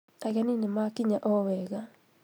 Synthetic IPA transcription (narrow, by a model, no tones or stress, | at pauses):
aɣaninemakiɲaʔɔwɛɣa